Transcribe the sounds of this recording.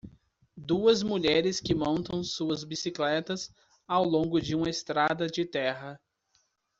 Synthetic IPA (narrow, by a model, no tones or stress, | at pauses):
d̪uɐzmuʎɛɾɪskɪmõnt̪ɐ̃w̃suɐzbisiklɛt̪ɐs | awlõŋɡʊd͡ʒɪũmɐest̪ɾad̪ɐd͡ʒɪt̪ɛɦɐ